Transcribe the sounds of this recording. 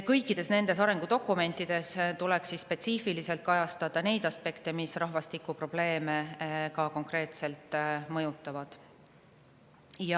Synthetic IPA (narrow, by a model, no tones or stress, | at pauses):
kɤjkːˑid̪̥e̞sne̞nd̪̥e̞sɑɾe̞ŋɡ̥ud̪̥o̞kːˑume̞nt̪ːid̪̥e̞st̪ule̞ksispe̞t̪siːfilise̞lt̪̚kɑjɑst̪ɑd̪̥ɑne̞jd̪̥ɑspe̞kt̪e̞misrɑɦvɑst̪ikːˑupro̞b̥le̞ːmekɑko̞ŋkre̞ːt̪se̞lt̪ːˑmɤjut̪ːˑɑvɑd̪̥ | jɑ